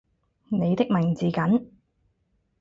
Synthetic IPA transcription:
ne˨˧jt̪ɪ˥k̚mɪ˨˩ŋt͡siː˨˩kɐ˨˥n

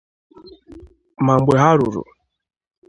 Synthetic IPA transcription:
ma˨ŋ͡m̩˦ɡ͡be˨ɦa˦ɾʊ˨ɾʊ̰˨

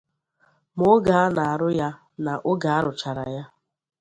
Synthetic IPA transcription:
mʊ˦ɡa˨a˦na˨a˨ɾʊ˦ja˦ | na˨ʔʊ˦ɡa˨a˦ɾʊ˨t͡ʃa˨ɾa˨ja˦

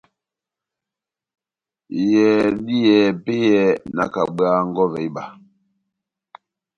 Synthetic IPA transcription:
jɛ˨di˦jɛ˨pe˦jɛ˦na̰˨ka̰˨ɓɰa˦ŋ̩˦ɡɔ˦vɛ˨˦ba˨

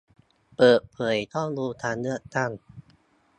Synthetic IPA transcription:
pɤː˨˩t̪̚pʰɤː˩˦jt̪ʰɔ˥˩ŋɾuː˧t̪ʰaː˧nlɯ˥˩ək̚t̪a˥˩ŋ

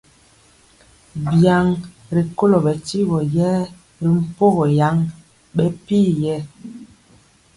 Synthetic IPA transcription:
bja˨ŋ | ɾi˨ko˦lo˨bɛ˨ti˦bɔ˨jɛ˦ | ɾi˨m̩˦˨po˦ɣɔ˨ja˨˦ŋ | ɓɛ˦pi˦jɛ˦

